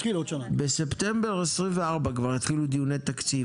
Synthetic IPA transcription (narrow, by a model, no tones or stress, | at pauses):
χilod̪ʃanabese̞pt̪e̞mbeʁesʁimveaʁbakvaʁjit̪χilud̪ijunejt̪akt͡si